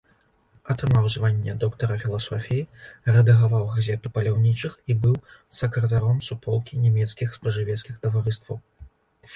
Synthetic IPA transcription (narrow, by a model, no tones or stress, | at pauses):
ɐt̪ɾɨmawzvanʲːɛd̪ɔkt̪ɐɾɐfʲilˠasɔfʲijirɛd̪ɐɣavawɣazʲɛt̪upɐlʲawnʲit͡ʂɨxibɨw | sɐkɾɐt̪aɾɔmsupʰɔlˠkʲinʲɛmʲɛt̪skʲixspɐʐɨvʲɛt̪skʲixt̪ɐvaɾɨst̪vɐw